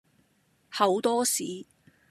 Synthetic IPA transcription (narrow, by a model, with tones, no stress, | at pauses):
hɐ˨˧wt̪ɔː˥siː˨˥